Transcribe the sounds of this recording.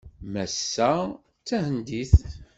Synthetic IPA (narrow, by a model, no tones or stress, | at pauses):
mæsːæ | t͡sːæhənd̪iθ